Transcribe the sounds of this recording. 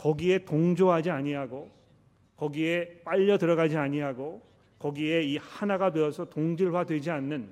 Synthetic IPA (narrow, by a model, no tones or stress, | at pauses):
kʌɡie̞toŋd͡ʑoɦad͡ʑiaɲiɦaɡo | kʌɡie̞p͈aʎːʌtɯɾʌɡad͡ʑiaɲiɦaɡo | kʌɡie̞ihanaɡameʌsʰʌtoŋd͡ʑiɭwadwe̞d͡ʑianːɯn